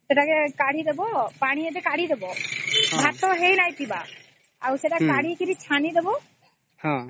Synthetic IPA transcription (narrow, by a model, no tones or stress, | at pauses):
sɛʈakɛkaɽ̤id̪ebɔpaɽ̃iɛt̪ɛkaɽ̤id̪ebɔbʱat̪ɔɦejnajt̪iba | awsɛʈakaɽ̤ikiɾit͡ʃʰanid̪ebɔ | hã